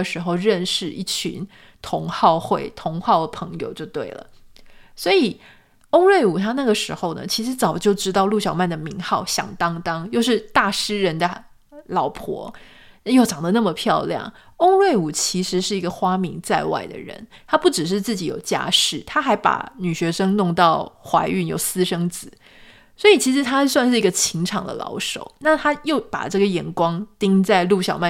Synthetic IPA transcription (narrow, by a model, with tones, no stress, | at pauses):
ʂɻ̩˧˥xo˧ʊɻə˥˧nʂɻ̩˥˧ḭ˥˩t͡ɕʰy̰˧˥˦n | t̪ʰʊ˧˥ŋxɑ˥˧ʊxwe˥˩ɪt̪ʰʊ˧˥ŋxɑ˥˩ʊd̪ə˩pʰɤ˧˥ŋjo̰˨ʊt͡ɕjo˥˧ʊt̪wḛ˥˩ɪlə̰˩swɔ˧˥i˨˩ | o˥ŋɻwe˥˩ɪu˨˩t̪ʰa˥na˥˩ɡə˩ʂɻ̩˧˥xo˥˧ʊnə̰˩t͡ɕʰi˧˥ʂɻ̩˧˥t͡sɑ˨˩ʊt͡ɕjo˥˩ʊʈ͡ʂɻ̩˥t̪ɑ˥˧ʊlu˥˩ɕjɑ˨˩ʊma˥˩nd̪ə˩mi˧˥ŋxɑ˥˩ʊɕjɑ̰˨˩ŋt̪ɑ˥ŋt̪ɑ˥ŋjo˥˧ʊʂɻ̩˥˧t̪a˥˩ʂɻ̩˥ɻə˧˥nd̪ə˧ | lɑ˨˩ʊpʰwɔ̰˧˥ | jo˥˩ʊʈ͡ʂɑ˨˩ŋd̪ə˦na˥˩mə˩pʰjɑ˥˧ʊljɑ̰˥˩ŋ | o˥ŋɻwe˥˩ɪu˨˩t͡ɕʰi˧˥ʂɻ̩˧˥ʂɻ̩˥˩i˧˥ɡə˨xwa˥mi˧˥ŋt͡sa˥˧ɪwa̰˥˩ɪd̪ə̰˩ɻə̰˧˥nt̪ʰa˥pu˥˩ʈ͡ʂɻ̩˨˩ʂ̬ɻ̩˥˧t͡sɹ̩˥˩t͡ɕi˨˧˥jo˨˩ʊt͡ɕja̰˥ʂɻ̩˥˩t̪ʰa˥xa˧˥ɪpa̰˨˩ny˨˩ɕɥɛ˧˥ʂɤ˥ŋnʊ˥˧ŋt̪ɑ˥˩ʊxwa˧˥ɪy˥˧njo̰˨˩ʊsɹ̩˥ʂɤ˥ŋt͡sɹ̩˨˩˦ | swɔ˧˥i˨˩t͡ɕʰi˧˥ʂ̬ɻ̩˧˥t̪ʰa˥˧swa˥˧nʂɻ̩˥˩i˧˥ɡə˧t͡ɕʰi˧˥ŋʈ͡ʂʰɑ˨˩ŋd̪ə̰˦lɑ̰˧˥ʊʂo̰˨˩˦ʊna˥˩t̪ʰa˥jo˥˩ʊpa̰˨˩ʈ͡ʂɤ˥˩ɡə˩jɛ˧˥nkwɑ˥ŋt̪i˥ŋt͡sa˥˧ɪlu˥˩ɕjɑ˨˩ʊma˥˩